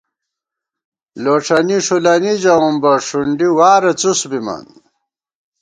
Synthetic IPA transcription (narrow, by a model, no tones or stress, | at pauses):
loʈ͡ʂʰɐniʂulɐnid͡ʑɐumbɐʂuɳɖiwaːɾet͡susbimɐ̰n